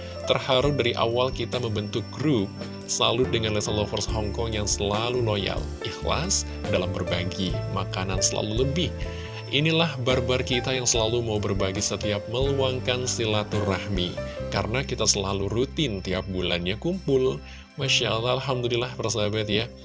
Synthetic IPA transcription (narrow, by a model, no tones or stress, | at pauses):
t̪ərhaɾʊp̚daɾiʔa̰walkit̪aməmbənt̪uk̚ɡɾup̚ | səlaludəŋanlesalofərsɦɔŋkɔŋjaŋsəlaluloja̰lʔixla̰s | dalambərbaɡimakanansəla̰luləbɪh | ʔinilahbarbarkit̪ajaŋsəlalumaubərbaɡisət̪iap̚məluaŋkansilat̪urahmikaɾənakit̪asəlalurut̪ɪnt̪ia̰p̚bula̰nɲakumpʊl | maʃalaalɦamd̪ulilahbərsabat̪ja